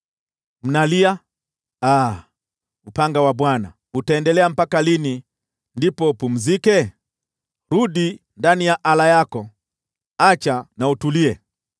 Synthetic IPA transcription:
m̩nalia | a | upaŋɡawaɓwana̰ | utaɛndɛlɛam̩pakalini | ndipɔupum̩zikɛ | ɾuɗindanijaʔalajakɔ | at͡ʃanautuliɛ

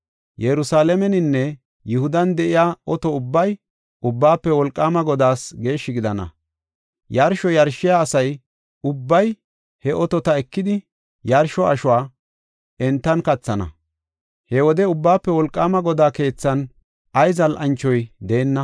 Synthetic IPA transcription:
jɛɾʊsaːlɛmɛnɪnːɛ | jʊhʊd̪ɐnd̪ɛʔɪjaːɔt̪ɔʊbːɐj | ʊbːaːpːɛwɔlkʼːaːmɐɡɔd̪aːsɡe̞ːʃːɪɡɪd̪ɐnɐ̰ | jɐɾʃɔjɐɾʃːɪjaɐsɐj | ʊbːɐj | hɛʔɔt̪ɔt̪ɐɛkːɪd̪ɪ | jɐɾʃɔɐʃʊwaː | ɛnt̪ːɐnkɐt͡sːɐnɐ̰ | hɛwɔd̪ɛʊbːaːpːɛwɔlkʼːaːmɐɡɔd̪aːke̞ːt͡sːɐn | ɐjzɐlʔɐnt͡ʃːɔjd̪e̞ːnːɐ

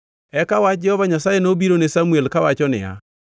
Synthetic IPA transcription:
ɛkawad͡ʒɛhɔβaɲasaenoobiɾonesamuɛlkawat͡ʃɔnḛa̰

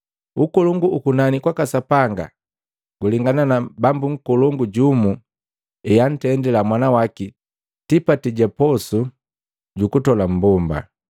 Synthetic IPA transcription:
ukɔluŋɡuukunanikwakasapaŋɡa̰ | ɡ̥uliŋɡananabambuŋ̩kɔluŋɡuɟumu | ɛjan̩tɛndilamwanawaki | tipatiɟapɔsu | ɟukutɔlam̩bumba̰

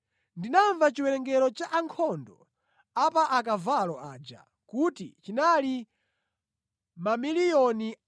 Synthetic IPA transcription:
ndinaɱvat͡ʃiwɛlɛŋɡɛɾɔt͡ʃaʔaŋkʰɔndɔ | apaʔakavalɔaːd͡ʒa̰ | kutḭt͡ʃinali | mamilijɔni

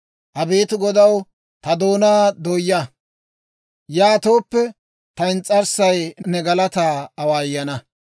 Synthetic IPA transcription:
ʔɐbe̞ːt̪ʊɡɔd̪ɐw | t̪ɐd̪o̞ːnaːd̪ojːɐ | jaːt̪o̞ːpːɛ | t̪ɐɪnt͡sʼːɐɾsɐjnɛɡɐlɐt̪aːɐwaːjːɐnɐ

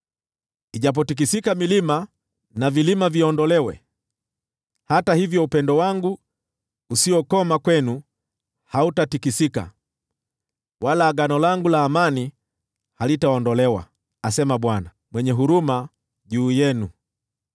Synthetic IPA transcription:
iʄap̬ɔtik̬isikamilima | navilimaviɔndɔlɛwɛ̰ | hatahivjɔupɛndɔwaŋɡuː | siɔkɔmakwɛnu | hautatikisika̰ | walaːɡanɔlaŋɡulaːmani | halitaɔndɔlɛwa̰ː | sɛmaɓwana | mwɛɲɛɦuɾuma | ʄuːjɛnu

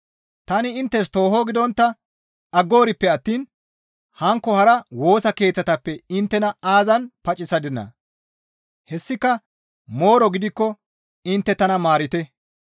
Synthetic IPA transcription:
t̪ɐnɪɪnt̪ːɛs̬t̪o̞ːɦɔɡɪd̪ɔnt̪ːɐ | ɐɡːo̞ːɾɪpːɛɐt̪ːiːn | hɐŋkːɔhɐɾɐwo̞ːsɐke̞ːt͡sːɐt̪ɐpːɛɪnt̪ːɛnɐaːzɐnpɐt͡ʃʼːɪsɐd̪ɪnːɐ̰ | hɛsːɪkːɐ | mo̞ːɾɔɡɪd̪ɪkːɔ | ɪnt̪ːɛt̪ɐnɐmaːɾɪt̪ɛ

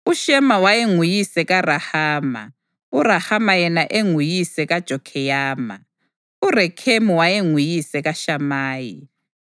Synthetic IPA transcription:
uʃɛmawajeŋujisɛɣarahaːma̰ | urahamajɛnaʔeŋujisɛɣad̥ʒ̥ʱɔkʰɛjaːma̰ | urɛkʰemuwajeŋujisɛɣaʃamaːjḭ

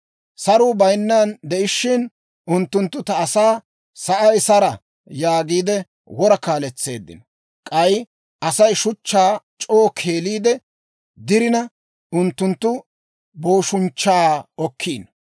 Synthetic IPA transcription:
sɐɾʊːbɐjnːaːnd̪ɛʔɪʃːɪn | ʊnt̪ːʊnt̪ːʊt̪ɐːsaː | sɐʔɐjsɐɾɐ | jaːɡiːd̪ɛ | wɔɾɐkaːlɛt͡sːe̞̰ːd̪ːɪ̰nɔ | kʼɐj | ʔɐsɐjʃʊt͡ʃːaː | t͡ʃʼoːkʰeːliːd̪ɛ | d̪ɪɾɪnɐ | ʊnt̪ːʊnt̪ːʊ | bo̞ːʃʊnt͡ʃːaːɔkʰːiːn

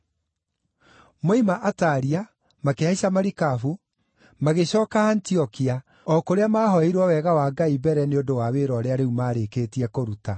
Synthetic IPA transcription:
moimaʔataɾia | makeaiɕamaɾikafu | maɣeɕɔːkaantiɔkia | ɔkoɾeamaːɦɔiɾwɔwɛɣawaːɡaibɛɾɛneodowaweɾɔːɾeaɾeumaːɾekeːtiɛkoɾuta

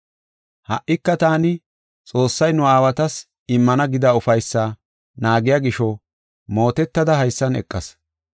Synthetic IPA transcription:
hɐʔɪkːɐt̪aːnɪ | t͡sʼo̞ːsːɐjnʊaːwɐt̪ɐs | ɪmːɐnɐɡɪd̪ɐʊfɐjsːaː | naːɡɪjaːɡɪʃɔ | mo̞ːt̪ɛt̪ːɐd̪ɐɦɐjsːɐnɛ̰kʼːɐs

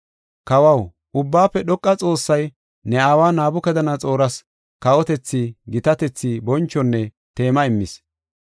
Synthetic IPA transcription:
kɐwɐw | ʔʊbːaːpːɛɗɔkʼːɐt͡sʼo̞ːsːɐj | nɛaːwaːnaːbʊkɛd̪ɐnɐt͡sʼo̞ːɾɐs | kɐɔt̪ɛt͡sːiɡɪt̪ɐt̪ɛt͡sːibɔnt͡ʃːɔnːɛ | t̪e̞ːmɐɪmːɪs

